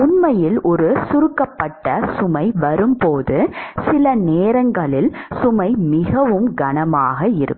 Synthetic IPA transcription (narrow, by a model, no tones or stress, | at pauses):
ʊnmɐjɪlʔɔɾɯsʊɾɯkːɐpːɐʈːɐsʊmɐɪʋɐɾɯmpoːðɯsɪlɐneːɾɐŋɡɐɭɪlsʊmɐɪmɪɣɐʋɯmɡɐnɐmaːɣɐɪɾɯ̰kː